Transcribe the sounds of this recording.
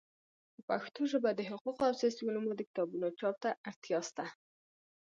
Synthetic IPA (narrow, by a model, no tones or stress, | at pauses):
d̪əpaxt̪oʒəbad̪əɦʊquqoawsesulumod̪əkɪ̥t̪ɑbunot͡ʃɑp̚t̪aaɾt̪jɑst̪a